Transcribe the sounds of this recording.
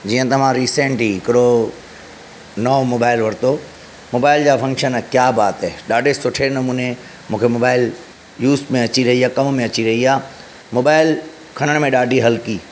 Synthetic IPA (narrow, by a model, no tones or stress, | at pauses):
d͡ʑiːə̃t̪ɐʋ̤ãɾiːsẽːɳʈɦiːɪkɪɾo | nɔːmoːbaːɪlʋɐɾt̪o | moːbaːɪld͡ʑaːfɐ̃ŋkʃənkjaːbaːt̪ɛɗaːɖʱesʊʈʰenɐmũːne | mũːkʰemoːbaːɪl | juːsmẽɐt͡ɕiɾɐɦiaːkɐmmẽɐt͡ɕiɾɐɦiaː | moːbaːɪl | kʰɐɽ̃əɽ̃mẽɗaːɖʱiɦɐlki